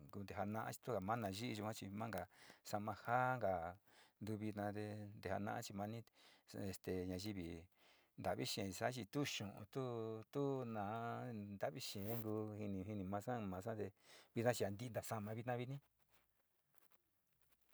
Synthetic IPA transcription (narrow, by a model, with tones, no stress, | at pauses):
ku˧nd̪e˨ɦa˧nã˧ʔã̰˦t͡ʃi̥˧t̪u˦ka˨mã˦nã˨˧ʒi˦i˧ʒu˧kʷã˦t͡ʃi˧mã˦ŋɡa˨sa˧mã˧ha˦ŋɡa˨nd̪u˧βi˧t̪nã˧t̪e˧nd̪e˨ha̰˧nã̰˧ʔã˦t͡ʃi˧mã˧nĩ˦e˨st̪e˨ɲã˧ʒi˧βi˨ | nd̪a˨βi˦ʃẽ˨˧sa˦t͡ʃi˧t̪u˦ʃũ˨ʔṵ̃˧t̪u˦t̪u˦nãː˨˦nd̪a˦˨βi˦ʃẽ˨˦ŋɡu˧hi˧nĩ˧ɦi˧nĩ˧mã˧sã˦mã˨˧sã˦t̪e˧βi˧˦nã˦t͡ʃi˧a˨nd̪i˧nd̪a˨sa˧mã˧βi˧t̪nã˦βi˧nĩ˦